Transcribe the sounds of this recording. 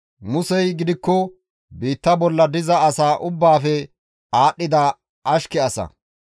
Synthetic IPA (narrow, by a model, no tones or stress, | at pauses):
mʊsɛjɡɪd̪ɪkːɔ | biːt̪ːɐbɔlːɐd̪ɪzɐɐsaːʔʊbːaːfɛ | aːɗːɪd̪ɐ | ɐʃkɛɐsɐ̰